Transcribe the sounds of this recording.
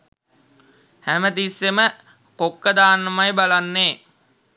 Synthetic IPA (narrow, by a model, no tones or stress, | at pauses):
hæmət̪isːemə | kokːəd̪aːnːəmajbalanːeː